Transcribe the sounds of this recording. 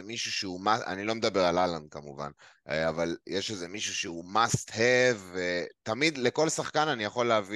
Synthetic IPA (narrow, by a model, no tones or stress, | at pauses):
emiʃuʃeumaa̰nilo̞med̪abe̞ʁalaland̪̚kamuva̰n | avaljeʃeze̞miʃuʃeumast̪hevet̪amid̪le̞ko̞lsaχkananijaχo̞lːeavi